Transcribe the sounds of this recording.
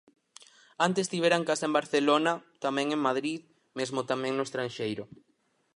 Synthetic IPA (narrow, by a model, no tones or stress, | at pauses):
ant̪est̪iβ̞eɾaŋkasɐẽmbaɾθelonɐt̪amɛ̃ŋeŋmaðɾið | mezmot̪amɛ̃ŋnʊest̪ɾanʃejɾʊ